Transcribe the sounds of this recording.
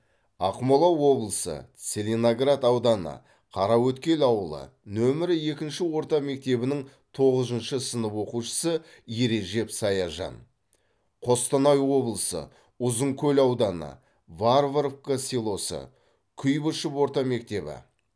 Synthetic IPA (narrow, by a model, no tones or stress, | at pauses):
ɑqmolˠɑwːo̞blˠəsə̰t̪sʲe̞lʲenoɡrat̪ɑwd̪ɑnə̰ | qʰɑɾɑwɵt̪kʲe̞lɑwəlˠə̰nɵmɪɾɪe̞kʲɪnʃɪwo̞ɾt̪ɑme̞k̚t̪e̞bɪnɪŋ | t̪ʰo̞ʁəzənʃəsənəpwo̞quʃə̥sə | jeɾe̞ʒe̞psɑjɑʒɑ̰n | qʰo̞st̪ənɑjwo̞blˠəsə̰ | ʊzəŋkʲʰɵlɑwd̪ɑnə̰ | varvɾofkasilˠo̞sə̰ | kʲʰʏjbəʃəpwo̞ɾt̪ɑme̞k̚t̪e̞bɪ̰